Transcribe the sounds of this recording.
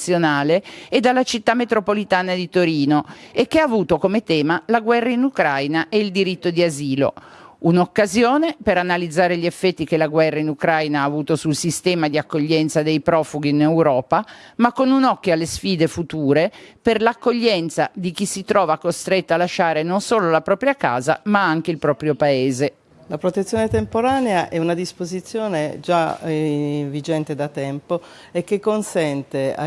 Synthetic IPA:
sjonaːleed̪alːat͡ʃit̪ːamet̪ɾopolit̪aːnad̪it̪oɾiːnoekːeaːvuːt̪okomet̪ɛːmalaɡwɛrːainukɾajnaʔeild̪iɾit̪ːod̪iaziːlo̰unokːazjoːnepeɾanalid̪zːaːɾeʎːiefːɛt̪ːikelaɡwɛrːainukɾajnaaːvuːt̪osulsist̪ɛːmad̪iakːoʎːɛnt̪sad̪ejpɾɔːfuɡiːnewɾɔːpamakːonunɔkːjoalːesfiːd̪efut̪uːɾeperlakːoʎːɛnt̪sad̪ik̟isit̪ɾɔːvakost̪ɾet̪ːalaʃːaːɾenonsoːlolapɾɔːpɾjaka̰ːza̰maaŋk̟eilpɾɔːpɾjopaeːze | lapɾot̪et̪sːjoːnet̪empoɾaːneaʔɛunad̪ispozit̪sːjoːned͡ʒa | vid͡ʒɛnt̪ed̪at̪ɛmpo | ekːekːonsɛnt̪ea̰

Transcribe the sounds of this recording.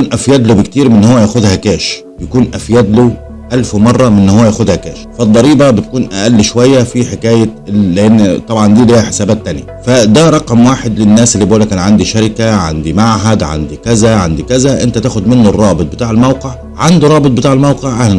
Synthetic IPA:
kuːnʔæfjæd̪lubɪkt̪iːɾmɪnːhʊwːæjæːxʊðhækæːʃ | bjakuːnʔæfjæd̪lu | ʔalfwmɑrˤːɑmɪnːhʊwːæjæːxʊðhækæːʃfɪd̪ˤːɑɾiːbɑbɪt̪̚kuːnʔaʔælːʃwæjːafiħɪkæːjaːɪʔɪnːt̪ˤɑbʕɑnd̪iːliːhæħe̥sæːbæːt̪ːænjafæd̪æɾˤɑqmwaːħɪd̪lɪnːæːsʔɪlːiboːlækæːnʕand̪iʃaɾɪkaʕa̰nd̪imaʕɦæd̪ʕa̰nd̪ikæzæʕand̪ikæzæʔɪnt̪æt̪æːxʊd̪mɪnːʊrˤːɑːbɨt̪̚ˤbɪt̪aːʕɪlmawqɪʕ | ʕand̪uɾˤɑːbɨt̪̚ˤbɪt̪aːʕɪlmawqɪʕʔahlæ

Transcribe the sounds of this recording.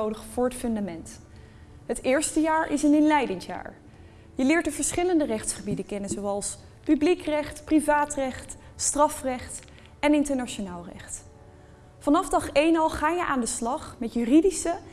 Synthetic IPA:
owdəχfʊːɹɦətfɵndamɛnt | ɦətɪːɹstəjaːɹʔɪsənɪnlɛjdɪŋsja̰ːɹ | jəlɪːɹtdəv̥əɹsχɪləndərɛχtsχəbidəkɛnənzowɑlˠs | pyblikrɛχtprivaːtrɛχt | strɑfrɛχt | ɛnɪntəɹnaʃonaːlˠrɛ̰χt | fɑnɑfdɑχejnɑlˠχaːjəʔaːndəslɑχmɛtjyridisə

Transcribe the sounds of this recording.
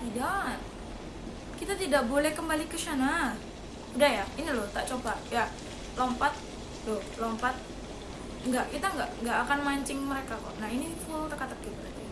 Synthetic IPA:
t̪ida | kit̪at̪idaʔbolɛhkəmbalikəʃana | udahjainiloht̪aʔt͡ʃobaja | lompat̪̚ | lʊ | lompat̪̚ | ŋɡaʔkit̪aŋɡaʔŋɡaʔːkanmaɲt͡ʃɪŋməɾekakɔ̰naɦinifult̪əkat̪ək̚ɡibəɾat̪a

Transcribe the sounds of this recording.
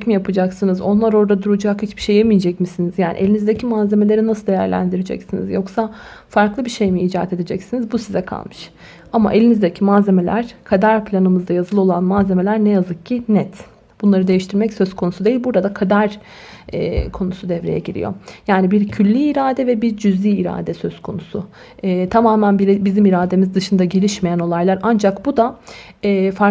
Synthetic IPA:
cmijapɯd͡ʒaksɯnɯzo̞nlˠaɾo̞ɾd̪ad̪uɾud͡ʒakhit͡ʃbiʃejɛmijed͡ʒɛcmisinizjaːnʔḭʔelʲinizd̪ecʰimaːze̞me̞lʲe̞ɾinasɯlˠd̪e̞jæ̰ɾlʲæ̰nd̪iɾed͡ʒɛ̰csinḭzjo̞ksafaɾklˠɯbiʃe̞jmiiːd͡ʒaːt̪ʰe̞d̪ed͡ʒɛcsinizbusizɛkʰa̰lˠmɯʃ | ama̰ʔe̞lʲinizd̪ecʰimaːze̞me̞lʲæɾ̥kʰad̪aɾpʰlʲanɯmɯzd̪ajazɯlˠo̞lˠanmaːze̞me̞lʲæɾnɛjazɯk̚cʰːinɛt̪ | b̥unlˠaɾɯd̪ejiʃt̪ʰiɾmɛcsøz̥kʰo̞nusud̪eilʲbuɾd̪ad̪akʰad̪aɾ | ɛ̰ːkʰo̞nusud̪ɛvɾe̞jɛ̰ɟiɾḭjo̞̰jaːnibiɾcʰylʲːiːɾaːd̪ɛvɛbiɾd͡ʒyzlʲiːɾa̰ːd̪ɛsø̞zkʰo̞̰nusʊ̰ | ɛːt̪ʰamaːmænbiɾbizimiɾaːd̪e̞mizd̪ɯʃɯnd̪aɟe̞lʲiʃmejæno̞lˠajlˠaɾand͡ʒakbud̪a | ɛːfaɾ

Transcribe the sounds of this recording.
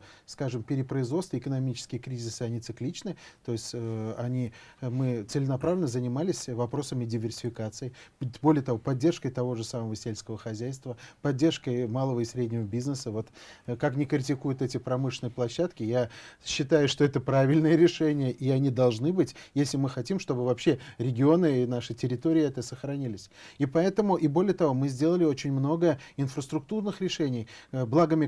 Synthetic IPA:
skaʐɨmpʲɪɾʲɪpɾəɪzvo̞t̪st̪vəɪkənɐmʲit͡ɕɪ̥skʲɪjəkɾʲizʲɪsɨɐnʲɪt̪sɨklʲit͡ɕnɨt̪o̞jɪsʲtʲəɐnʲimɨt̪sɨlʲɪnɐpɾavlʲɪnəzənʲɪmalʲɪsʲvɐpɾo̞səmʲɪdʲɪvʲɪrsʲɪfʲɪkat̪sɨɪbo̞lʲɪjət̪ɐvo̞pɐdʲːe̞rʂkəjt̪ɐvo̞ʐɨsaməvəsʲelʲskəvəxɐzʲæjst̪vəpɐdʲːe̞rʂkəjmalˠəvəisɾʲedʲnʲɪvəbʲiznəsəvo̞t̪kaknʲɪkɾʲɪtʲɪkujʊt̪ɛtʲɪpɾɐmɨʂɪnɨjəplˠɐɕːat̪kʲɪjaɕːɪt̪ajʊʂt̪o̞ɛt̪əpɾavʲɪlʲnɨjəɾʲɪʂɛnʲɪjəʔɪɐnʲid̪ɐlˠʐnɨbɨtʲjesʲlʲɪmɨxɐtʲimʂt̪o̞bɨvɐpɕːe̞ɾʲɪɡʲɪo̞nɨinaʂɨtʲɪɾʲɪt̪o̞ɾʲɪɪɛt̪əsəxɾɐnʲilʲɪsʲipɐɛt̪əmʊʔibo̞lʲɪjət̪ɐvo̞mɨzʲdʲelˠəlʲɪot͡ɕɪnʲmno̞ɡəjəɪnfɾəst̪ɾʊk̚t̪urnɨxɾʲɪʂɛnʲɪjblˠaɡəmʲɪ

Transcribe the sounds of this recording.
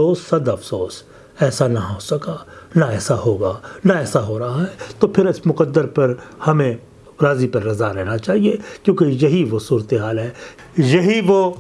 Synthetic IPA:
oːsːɐd̪ɐfsoːs | ɛːsanɐɦoːsɐkanaɛːsaɦoːɡanaɛːsaɦoːɾɐɦaɦɛt̪opʰɪɾɪsmʊqəd̪ːəɾpɐɾhɐmẽ | ɾaːzipɐɾːɐzaɾɛɦnat͡ʃaːɦiekjõːkejɐɦiʋosuːɾət̪eɦaːlɦɛː | jɐɦiʋoː

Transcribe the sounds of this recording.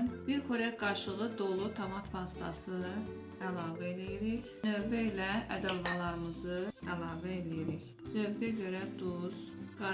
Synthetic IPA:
nb̥iɾχoɾæɡɑɾʃɯʁɯd̪olˠut̪ʰɑmɑt̪pʰɑst̪ɑ̰sɯ | ælˠɑːvæelijiɾiç | nøbæilææd̪ælvɑlˠɑɾɯmɯzɯælˠɑːvæelijiɾiç | zøvɡæɟøɾæd̪uz̥ɡ̥ɑ

